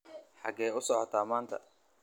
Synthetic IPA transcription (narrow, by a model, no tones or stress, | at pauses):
ħɑɡɛːjʊsɔːħɔt̪ʰaːmaːnt̪ʰɐ̰